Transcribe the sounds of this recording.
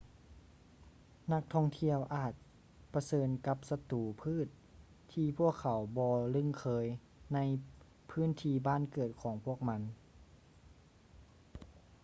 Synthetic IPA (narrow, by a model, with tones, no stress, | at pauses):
na˧˥k̚t̪ʰɔ˧˥˩ŋt̪ʰi˧˨əwʔaː˨˩t̪̚ | pa˧sɤː˧nka˧˥p̚sa˧t̪uː˨˩pʰɯː˥˩˨t̪̚ʰː | iː˧pʰu˥˩əkʰːa˨˩wbɔː˧lɯ˧˩˨ŋkʰɤː˧˥j | na˧˥j | pʰɯː˥˨nt̪ʰiː˧baː˥˨nkɤː˨˩t̪̚kʰɔː˩˦ŋpʰu˥˩ək̚ma˧˥n